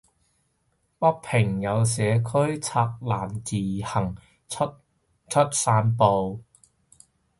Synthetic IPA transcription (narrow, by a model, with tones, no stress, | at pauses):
pɐ˥k̚pʰɪ˨˩ŋjɐ˨˧ws̬ɛː˨˧kʰɵ˥ɥt͡sʰaː˧k̚laː˨˩nt͡siː˨˩hɐ˨˩ŋ˥ | t̚ | t͡ʃʰɵ˥t̚saː˧npo˨w